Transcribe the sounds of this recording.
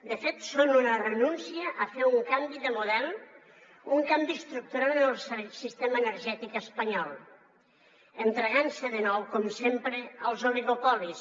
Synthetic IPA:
d̪əfet̪sonunərənunsiəʔːfeɾuŋkambiðəmuðɛlˠ | uŋkambist̪ɾuk̚t̪uɾaɾəlˠssist̪eməːnəɾʒɛt̪ikəspəɲɔlˠ | ənt̪ɾeɣansəðənɔwkɔmsempɾəəlˠzoliɣopɔlis

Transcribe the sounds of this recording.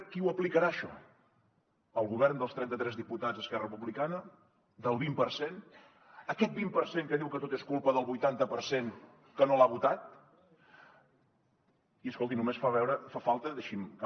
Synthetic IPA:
kiwəplikəɾaəʃɔ̰ | əlˠɣuβɛrnd̪əlˠst̪ɾɛnt̪ət̪ɾɛzðiput̪ad͡zzəskɛrərəpuβlikanə | d̪əlˠβimpəɾsen | əkɛt̪̚bimpəɾseŋkəðiwkət̪ot̪eskulˠpəðəlˠβujt̪ant̪əpəɾsen | kənolaβut̪at̪̚ | iəskolˠt̪̬inumesfaβɛwɾəfafalˠt̪əðəʃimk

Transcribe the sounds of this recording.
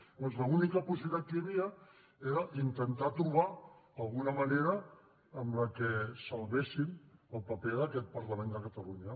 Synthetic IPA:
dɔnzləunikəpus̬iβit̪at̪̚kəjəβiə | eɾəʔint̪ənt̪at̪ɾuβ̞aəlˠɣunəməneɾəː | mləkesəlˠβesiməlˠpəpeðəkɛt̪̚pəɾləmẽnd̪əkət̪əluɲə

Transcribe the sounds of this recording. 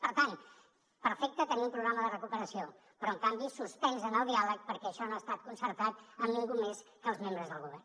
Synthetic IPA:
pəɾt̪an | pəɾfek̚t̪ət̪əniumpɾuɣɾaməðərəkupəɾəsio | pɾɔəŋkambisuspɛnzənəlˠd̪ialək̚pəɾkɛəʃɔnoast̪at̪̚kunsəɾt̪at̪əmniŋɡumeskəlˠzmembɾəzðəlˠɣuβ̞ɛr

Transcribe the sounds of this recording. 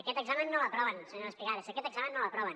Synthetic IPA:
əkɛt̪əɡzamənːoləpɾɔβənsəɲoɾəspliɣaðəsəkɛt̪əɡzamə̃nːoləpɾɔβən

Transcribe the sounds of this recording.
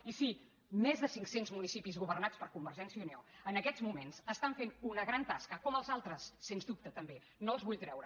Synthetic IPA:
isi | mezðəsiŋksenzmunisipizɣuβərnat͡spəɾkumbəɾʒɛnsiəuneoənəkɛzmumenzəst̪aɱfenunəɣɾant̪askəkɔməlˠzalˠt̪ɾəsːenzd̪up̚t̪ət̪əmbe | nolˠzβuʎt̪ɾɛwɾə

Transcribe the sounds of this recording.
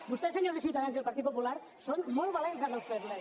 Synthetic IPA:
bust̪eseɲozðis̬iwt̪aðanzðelpaɾt̪it̪̚populaɾ | sonmolβalenzðanawst̪ezɾa

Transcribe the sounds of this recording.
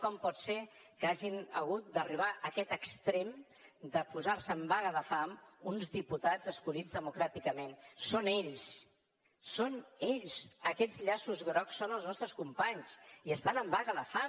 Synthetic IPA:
kɔmpɔt̪se | kaʒinə̰ɣ̞ut̪̚d̪əriβ̞aʔəkɛt̪əkst̪ɾem | d̪əpuzaɾsəːmbaɣəðəfamunzðiput̪ad͡zəskuʎizðəmukɾat̪ikəmensoneʎs | soneʎsəkɛʎzʎasuzɣɾɔksːonəlˠznɔst̪ɾəskumpaɲsiəst̪anəmbaɣəðəfa

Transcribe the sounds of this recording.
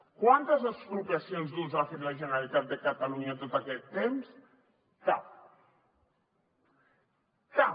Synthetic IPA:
kwant̪əzəspɾupiɐsionzðunzaafeɾlɐʒənəɾalit̪at̪̚d̪əkət̪aluɲɐt̪ot̪akɛt̪ːems | t̪a | ka

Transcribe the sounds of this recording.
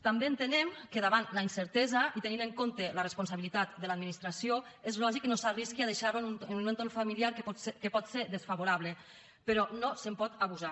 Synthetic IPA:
t̪ambeːnt̪enɛmkeðaβanlainsəɾt̪ɛzait̪enineŋkont̪elərespons̬aβilit̪at̪̚d̪əlad̪minist̪ɾasjoezlɔʒiknosariskiað̞eʃaɾonununent̪onfamiliaɾkkepɔt̪seɾðesfaβoɾaβle | pəɾɔnosempɔt̪aβuza

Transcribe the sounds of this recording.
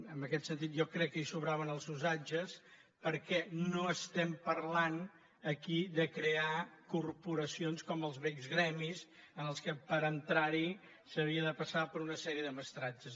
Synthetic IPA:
əmbəkɛt̪sənt̪it̪ʒɔkɾɛkːəisuβɾaβənəlˠzuzad͡ʒəs | pəɾkɛnoəst̪ɛmpərlan | əkiðəkɾeakurpuɾəsionskɔməlˠzβɛkzɣɾɛmizənəlˠskəpəɾənt̪ɾaɾi | səβ̞iəðəpəsapəɾunəsɛɾiəðəməst̪ɾad͡ʒəz

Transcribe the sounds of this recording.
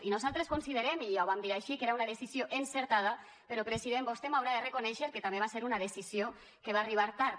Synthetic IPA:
inuzalˠt̪ɾeskonsiðeɾemijawβamd̪iɾajʃikeɾaunaðesizjoʔenseɾt̪að̞ɐ | peɾopɾesiðembost̪emawɾaðerekonɛʃeɾket̪ambeβaseɾunaðesizio | keβ̞ariβaɾt̪aɾ

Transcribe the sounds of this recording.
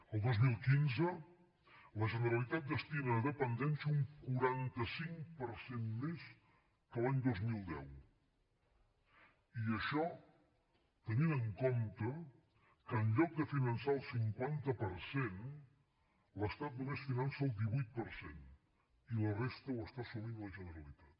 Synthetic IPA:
əlˠd̪ozmilˠkinzə | ləʒənəɾəlit̪at̪̚d̪əst̪iməðəpənd̪ɛnsəuŋkuɾant̪əsiŋpəɾsenmes | kəlaɲd̪ozmilˠd̪ɛ̰w | iəʃɔ | t̪əninəŋkomt̪ə | kəːnʎɔk̚d̪əfinənsaəlˠsiŋkwant̪əpəɾsen | ləst̪at̪̚numesfinansəːlˠd̪iβujt̪̚pəɾsḛn | ilərest̪əwəst̪asumind̪ələʒənəɾəlit̪ḁt̪

